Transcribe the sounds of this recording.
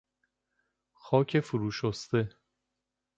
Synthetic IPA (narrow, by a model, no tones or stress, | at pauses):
xɒːcʰe̞fuɾuːʃost̪e